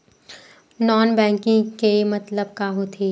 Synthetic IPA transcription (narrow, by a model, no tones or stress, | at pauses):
nɔːnbɛ̃ːŋkɪ̃ŋɡkemɐt̪ləb̚kaɦot̪ʰiː